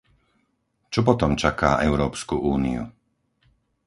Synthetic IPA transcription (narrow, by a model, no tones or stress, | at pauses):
t͡ʃɔp̬ɔt̪ɔmt͡ʃaka̰ːʔɛʊɾɔːpskuʔuːnḭṵ